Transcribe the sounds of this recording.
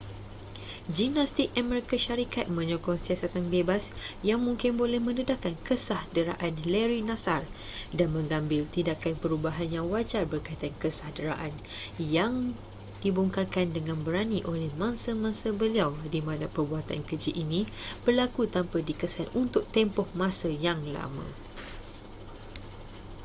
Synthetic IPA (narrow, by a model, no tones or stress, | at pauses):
d͡ʒimnast̪ik̚amɛɾikaʃaɾikat̪̚mə̃ɲɔkɔŋsiasat̪anbebasjaŋmũŋkɪnbolɛhmə̃nədakankəsahdəɾa̰ʔanlɛɾinãsar | danmə̃ŋãmbɪlt̪indakanpəɾubaɦanjaŋwad͡ʒarbərkait̪aankəsahdəɾa̰ʔan | jaŋ | dibuŋkarkandəŋãnbəɾaniʔolɛhmãnsəmãnsəbəliawdimãnapərbuɦat̪a̰nkəd͡ʒiʔinĩb̥ərlakut̪ampədikəsanunt̪ʊk̚t̪empɔhmãsəjaŋla̰mã̰